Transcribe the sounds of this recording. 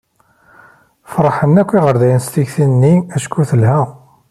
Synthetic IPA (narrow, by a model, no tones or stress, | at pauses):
fɾˤħənːækʷːiʁəɾðæjənst̪içθinːiæʃkːuθəlhæ